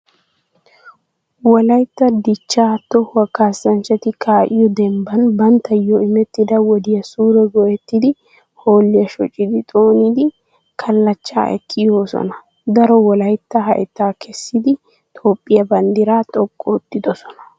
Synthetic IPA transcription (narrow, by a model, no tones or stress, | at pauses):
wɔlɐjt̪ːɐd̪ɪt͡ʃːaːt̪ːɔhwɐkːaːsːɐnt͡ʃːɐt̪ɪkʰaːʔɪjɔd̪ɛmbɐnbɐnt̪ːɐjːɔɪmɛt̪ːɪd̪ɐwɔd̪ɪjɐsuːɾɛɡɔʔɛt̪ːɪd̪ɪ | ho̞ːlːɪjɐʃɔ̰t͡ʃʼːɪd̪ɪt̪ʼo̞ːnid̪ɪ | kʰɐlːɐt͡ʃːa̰ːʔɛ̰kʰːɪjoːsɔ̰nɐ | d̪ɐɾɔwɔlɐjt̪ːɐɦɐ̰ʔɛt̪ːaːkʰɛsːɪd̪ɪ | t̪ʼo̞ːpʼːɪjɐbɐnd̪ɪɾaːt̪ʼɔkʼːɔːt̪ːɪd̪ɔsɔ̥nɐ̥